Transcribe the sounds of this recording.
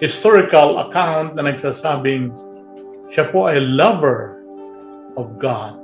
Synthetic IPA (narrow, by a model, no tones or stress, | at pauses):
hɪst̪ɔɹɪkalɐ̰kãwnt̪̚nɐnɐɡsasabɪ̃ŋ | ʃapoajlʌvəɹ | ɔvɡad̪̚